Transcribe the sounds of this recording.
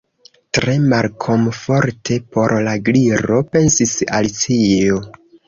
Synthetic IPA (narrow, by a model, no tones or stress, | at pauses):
tɾe̞malkʰo̞mfo̞ɾtʰe̞po̞ɾlaɡliɾo̞pe̞nsisa̰ltio